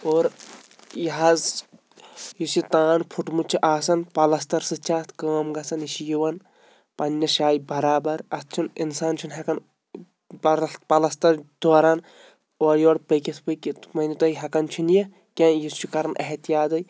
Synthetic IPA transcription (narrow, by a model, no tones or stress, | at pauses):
oːɾ | jɐɦaz | jisit̪aːnpʰuʈmut͡ʃʰiʔaːsɐnpɐlɐst̪ɐɾsɨt͡ʃʰaːt̪ʰkaːmɡɐsɐniʃijiʋɐn | pɐnʲːɐʃaːjbɐɾaːbɐɾɐt̪̚ʰt͡ʃʰuninsaːnt͡ʃʰunɦɐkɐn | bɐlpɐlɐst̪ɐɾd̪oːɾaːn | oːɾjoːɽpɐkʲit̪ʰpəkimɐnit̪ɐiɦɐkɐnt͡ʃʰunjɐ | kʲãːjist͡ʃikɐɾɐnʔɐ̰ɦt̪jaːd̪ɐj